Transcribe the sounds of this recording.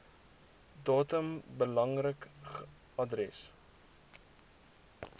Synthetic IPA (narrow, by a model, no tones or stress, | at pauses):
dɑːtəmbəlɐŋrək | ɐdrɛs